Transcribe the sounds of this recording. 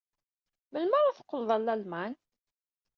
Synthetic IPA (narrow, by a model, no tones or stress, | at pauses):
məlməɾˤaθə̥qːəlðˤɑlːælmæn